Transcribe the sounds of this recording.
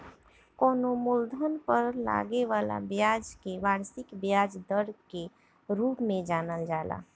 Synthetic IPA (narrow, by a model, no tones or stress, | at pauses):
koːnomʊld̪ʱənpəɾla̰ːɡeʋaːla̰bjaːd͡ʒkeʋaːɾsɪkbjaːd͡ʒd̪əɾke | ɾuːpmẽd͡ʒaːnəld͡ʒaːla̰ː